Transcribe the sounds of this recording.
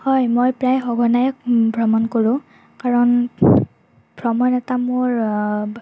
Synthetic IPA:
hɔjmojpɹajxɔɡʱɔnajkbʱɹɔmɔnkoɹʊ̃ | kaɹɔn | bʱɹɔmɔjnɛtamʊɹ

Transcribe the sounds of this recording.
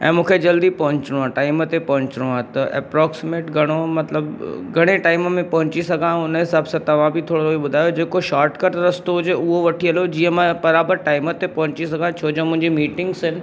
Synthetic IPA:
ɛ̰̃ːmũːkʰed͡ʑɐld̪ipɐɦʊ̃ɲt͡ɕɪɽ̃ũãʈaːɪmət̪epɐɦʊ̃ɲt͡ɕɽũãt̪ɐʔɛ̰ːpɾɔːksɪmeːʈɡʱɐɽ̃omɐt̪ləbɡʱɐɽ̃eʈaːɪmmẽpɐɦʊ̃t͡ɕisɐɡʱãʊnɦɪsaːbsãt̪ɐʋ̤ãbʱit̪ʰoːɽoibʊd̪ʱaːjod͡ʑeːkoʃaːɾʈkɐɾʈ̪ɾɐst̪oɦʊd͡ʑeʊɦoʋɐʈʰiɐlod͡ʑiːə̃mãbɐɾaːbəɾʈaːɪmət̪epɐɦʊ̃ɲt͡ɕis̬ɐɡʱãt͡ɕʰoːd͡ʑõmʊ̃ɦɪ̃ɲd͡ʑimiːʈɪ̃ŋɡsɦɪnɪ̆

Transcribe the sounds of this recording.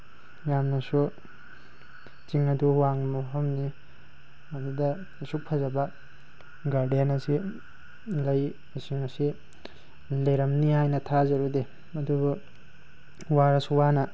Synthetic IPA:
jamnɐsu | t͡ʃiŋɐduwaŋmaɦɐmni | ɐdudɐ | suk̚pʰazɐbɐ | ɡaɾdenɐsi | lɐj | ɐsiŋɐsi | leɾɐmnihajnɐtʰazɐɾude | ɐdubu | waɾɐsuwanɐ

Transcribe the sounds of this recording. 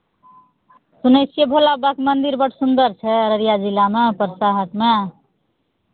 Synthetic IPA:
sunəsijəbʱolabəkmənd̪iɾbəʈʰsund̪əɾt͡ʃʰɛɾəɾijad͡ʒilːamepɾəsaɦək̪me

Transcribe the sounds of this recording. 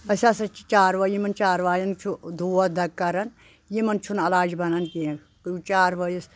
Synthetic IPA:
ɐsʲasɐt͡ʃit͡ʃaːɾʋɐjimɐnt͡ʃaːɾʋaːjɐnt͡ʃʰud̪ʱuːɐd̪ɐkkːɐɾɐn | jimɐnt͡ʃʰunɐlaːd͡ʒbɐnɐnkĩ | kut͡ʃaːɾʋɐjis

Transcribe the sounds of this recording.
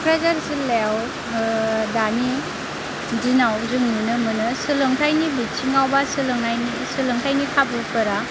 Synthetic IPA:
kʰɾajzaɾsɯlew | dani | dinawzɯŋnunɯmɯnɯsɯlɯŋtʰajnibit͡ʃʰiŋawbasɯlɯŋnajni | sɯlɯŋtʰajnikʰabɯpʰɯɾa

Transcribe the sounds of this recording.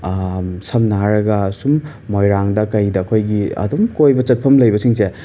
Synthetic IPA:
sɐmnaɾɐɡɐsumː | ojɾaŋdɐkɐjdɐkʰojɡiɐ̰dumkojbɐt͡ʃɐt̚pʰɐmlɐjbɐsiŋse

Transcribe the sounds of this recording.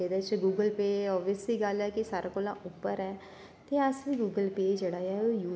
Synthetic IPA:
ed̪ɛt͡ʃeɡuːɡəlpeːɔːʋiəsliːɡəlɛːkisaːɾaːkoːlãːʔʊpːəɾɛː | t̪eːəsʋiːɡuːɡəlpeːd͡ʒeːɽaːjaːoːjuː

